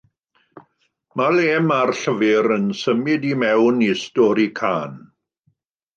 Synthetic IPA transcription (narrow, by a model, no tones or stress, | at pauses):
maleːmarɬəvɪɾənsəmɪdimɛwnistɔɾikʰaːn